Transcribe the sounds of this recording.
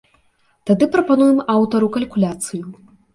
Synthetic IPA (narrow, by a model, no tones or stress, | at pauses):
t̪ad̪ɨpɾɐpanujɛmawt̪ɐɾukɐlʲkulʲat̪sɨju